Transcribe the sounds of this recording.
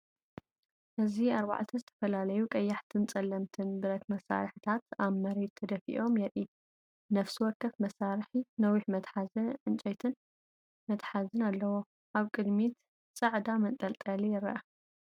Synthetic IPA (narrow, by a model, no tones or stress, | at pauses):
ʔɨziaɾba̰ʕt̪ʰɐzɨt̪ʰɐ̥fɐlalɐjukʼɐjːaħt̪ʰɨnt͡sʼɐlːɐmt̪ʰɨnbɨɾɐt̪mɐsa̰ɾħt̪ʰat̪aβmɐɾed̪̚t̪ʰɐd̪ɐfḭʔo̞mjɛɾi | nɐfsiwɔɾkʰːɐfmɐsaɾħinɐwiħmɐt̪ħazɨnʕɨnt͡ʃʼɐt̪ʰɨn | mɐt̪ħazɨnalːɐwo̞ | ʔaβkʼɨd̪mit̪ | t͡sʼɐʕd̪amɐnt̪ʼɐlt̪ʼɐlijɪɾːɐ̰ʔa